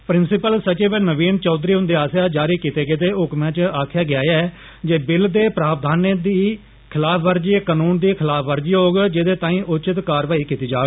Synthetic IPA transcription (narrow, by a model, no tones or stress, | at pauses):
pɾɪnsɪpəlsət͡ʃeːʋɪnəʋiːnt͡ʃɔːd̪ɾiːɦʊ̃nd̪eːaːsjaːd͡ʒaːɾiːkiːt̪eːɡeːt̪eːʊkmãːt͡ʃaːkʰjaːɡɪaːjaː | d͡ʒeːbɪld̪eːpɾaːp̚d̪ʱaːneːd̪iː | kʰɪlaːpʰʋəɾd͡ʒekənuːnd̪iːkʰɪlaːpʰʋəɾd͡ʒiːɦoːɡd͡ʒɪd̪eːt̪ãːĩːʔʊt͡ʃɪt̪kaːɾʋaːiːkiːt̪iːd͡ʒaːɡ